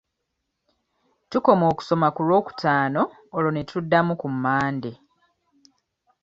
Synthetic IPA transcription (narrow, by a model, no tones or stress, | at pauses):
tuko̞mo̞ːku̥so̞makulwo̞ːku̥tʰaːno̞ː | lonetudːamukumːaːnde